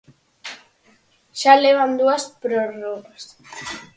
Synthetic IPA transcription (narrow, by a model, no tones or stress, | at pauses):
ʃaleβ̞and̪uaspɾoroɣas